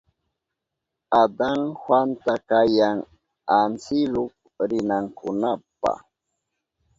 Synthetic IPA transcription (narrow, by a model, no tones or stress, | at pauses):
ad̪aŋhwant̪akajaŋ | ansɪlʊk̚ | ɾɪnaŋkʊnapa̰